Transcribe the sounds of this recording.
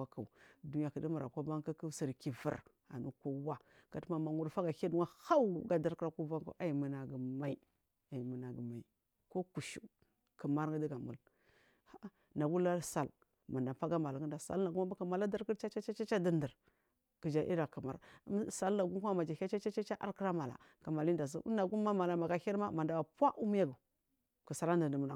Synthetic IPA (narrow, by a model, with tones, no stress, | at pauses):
a˦ka˨u˨du˦n˦a˨kə˨di˦ma˨ɾa˨ka˦ba˦ŋ˦ka˦kə˦si˨ɾki˨və̰˨ɾ | a̰˨nu˦ko˦wa˦ | ka˨tma˨ma˨ŋu˦ɾfa˦ɡa˨ka˦du˦ŋa˦ha˦wu˦ɡa˨da˦ɾkɾa˦ku˦va˦ŋka̰˦ʔa˦˨i˨mə˨na˨ɡə˨ma˨i˨ | a˨i˨mə˨na˨ɡə˨ma˨i˨ | ko˦ku˨ʃu˨˦ | kə˨ma˦ɾŋɡə˦di˦ɡa˨mṵ˨l | ha˦ | na˨ɡu˦la˦sa˨l | ma˨nda˨pa˦ɡa˦ma˨la˨ŋə˦nda˨sa̰˨lna˨ɡu˦ma˦a˦kə˨ma˨la˦da˦ɾki˦ɾt͡ʃa˦t͡ʃa˦t͡ʃa˦t͡ʃa˦t͡ʃa˦di˦ndə˨ɾ | kə˨d͡ʒa˨ʔḭ˦ɾa˨kə˨ma˨ɾsa˦lna˨ɡu˦ku˦ma˦ma˨d͡ʒa˨a˦t͡ʃa˦t͡ʃa˦t͡ʃa˦t͡ʃa˦ʔa̰˦ɾkə˦ɾa˦ma˨la̰˨kə˨ma˨li˦nda˨z̬ḭ˦na˨ɡu˦mːa˦ma˨la˨ma˨ɡa˦hi˦ɾma˦ma˨nda˨wa˨pa˦ʔu˦m˦ja˦ɡu˨ | kə˨sa˨la˦ndə˨də˨m˨na˨